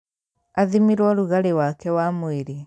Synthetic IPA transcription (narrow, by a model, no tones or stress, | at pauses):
aðimiɾwɔɾuɣaɾewakɛwamoeɾe